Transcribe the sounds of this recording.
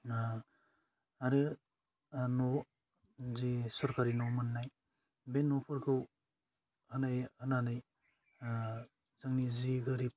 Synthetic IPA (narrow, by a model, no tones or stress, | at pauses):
aɾɯ | nɔ | zisɔɾkaɾinɔwmɯnːaj | benːɔpʰɔɾɡɯw | hanajananaj | zaŋniziɡaɾip̚